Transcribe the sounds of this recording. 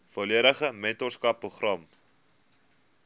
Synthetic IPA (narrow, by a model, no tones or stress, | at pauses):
foliəɾəχəmɛntɔrskɐpːruχrɐm